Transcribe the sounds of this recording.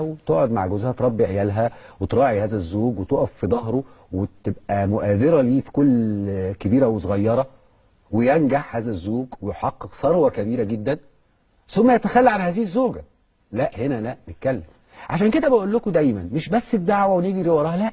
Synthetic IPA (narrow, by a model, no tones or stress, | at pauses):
wt̪oːʔʕod̪ma̰ʕɡozhæt̪ɾˤɑbːiʕejæːlɦæwet̪ɾˤɑːʕihæːzæzːoːɡwet̪oːʔæfːid̪ˤɑhɾo | wet̪ebʔæmoʔæːðeɾæliːfi̥kolːkebiːɾæwes̬ˤoɣɑjːɑɾˤɑ | wejænɡaħhæːzæzːoːɡwejħɑqːeqsˤɑɾˤwɑkæbiːɾæɡed̪ːæn | somːæjæt̪æxælːiʕanhæːziːhezːoːɡæ | læʔhenælæʔbet̪̚kælːem | ʕaʃæːnked̪æbeʔolːokod̪æjmænmeʃbæsːed̪ːaʕwæweniːɡiɾewɑɾˤɑːhlæʔ